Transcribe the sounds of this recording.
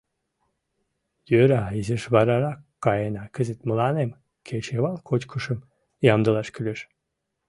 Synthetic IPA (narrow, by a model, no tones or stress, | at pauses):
jøɾaiziʃβaɾaɾakː | ajenakʰɯzɨt̪mulˠanem | kʲʰet͡ʃʰevalˠkʰot͡ʃkʰuʃɯm | jamd̪ɯlˠaʃkʲʰylʲyʃ